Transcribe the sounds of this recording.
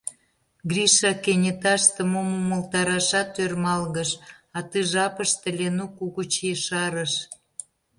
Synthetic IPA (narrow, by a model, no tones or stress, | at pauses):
ɡrʲiʃɑkenʲet̪ɑʃt̪ə̆momoməlt̪ɑɾɑʃɑt̪ørmɑlɣəʃɑt̪ɨʒɑpəʃt̪ə̆lʲenukuɣut͡ɕeʃɑɾəʃ